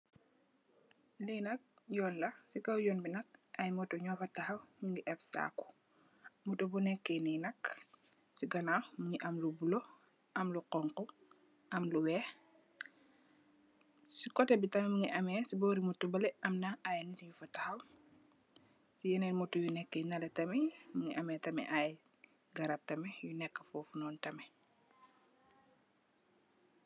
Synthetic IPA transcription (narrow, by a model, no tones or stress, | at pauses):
linɐk̚ | jɔːnlɐsikɐwjɔnbinɐk̚ʔɐjmɔtɔɲɔfɐtɐxɐwɲiŋɡiʔɛfsa̰ːku̥ | mutobunɛkːɛninɐk | siɡɐnamuɲiʔɐmlubulo | ʔɐmluqɔŋkɔ | ʔɐmluwɛː | sikɔtɛbitɐmɛmuŋiʔɐmɛːsibɔːɾimutːubɐlɛɐmnɐajninjufɐtɐxɐw | sijɛnɛnmutːujunɛkːɛnɐlɛtɐmɛmuŋiʔɐmɛːtɐmɛ̰ʔaj | ɡɐɾɐp̚tɐmɛjunɛkːə̥fɔːfunɔːntɐmɛ